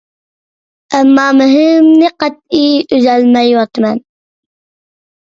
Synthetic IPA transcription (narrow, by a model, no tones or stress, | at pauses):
æmːɑːmɨɦɪmnɪqɑt̪̚iːyzælmɛjwɑt̪mɛn